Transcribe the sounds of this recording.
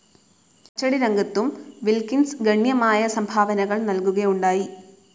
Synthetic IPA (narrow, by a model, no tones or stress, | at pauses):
ɐt͡ɕːɐɽiɾɐŋɡɐt̪ːumʋilkinsɡɐɳjɐmaːjɐsɐmbʱaːʋɐnɐɣɐɭnɐlkuɣɐjuɳɖaːji